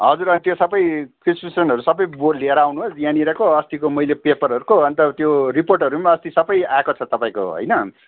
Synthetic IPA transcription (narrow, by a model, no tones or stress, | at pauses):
ɦʌd͡zuɾʌnt̪josʌbʌjkrispisʌnɦʌɾusʌbʌjbolleɾawnuɦosjãniɾʌkoʌst̪ikomʌilepepʌɾɦʌɾukoʌnt̪ʌt̪joriporʈʌɾumaʌst̪isʌbʌjakot͡sʰʌt̪ʌpãĩko̰ɦʌ̰jnʌ